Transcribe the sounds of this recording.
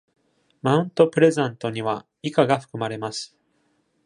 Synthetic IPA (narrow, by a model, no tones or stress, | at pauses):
mãɯ̟̃nt̪o̞pɯ̟ɾe̞zãnt̪o̞ɲ̟iβa | ikaɡaɸɯ̥kɯ̟maɾe̞masɨ̥